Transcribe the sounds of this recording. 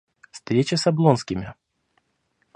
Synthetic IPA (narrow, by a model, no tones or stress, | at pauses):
fst̪ɾʲet͡ɕəsɐblˠonskʲɪmʲɪ